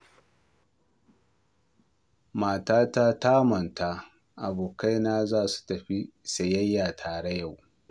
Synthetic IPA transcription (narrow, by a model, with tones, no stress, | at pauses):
maː˨taː˦taː˦taː˦mɐ˨nta˦ | ʔa˨boː˨ka˦jnaː˦zaː˦˨su̥˨tɐ˨ɸi˦sɐ˨jɐ˦jːaː˨tʰaː˨ɽɐ˦ja˦˨w